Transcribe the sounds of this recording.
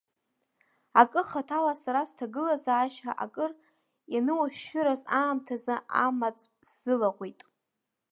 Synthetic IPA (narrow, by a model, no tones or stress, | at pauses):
akʼɨχatʰalasaɾastʰaɡɨlazaːʃaʔa̰kʼɨr | janɨwaʃᶣːʏɾazaːmtʰazɨamat͡sʼsz̥ɨlaʁʷijtʼ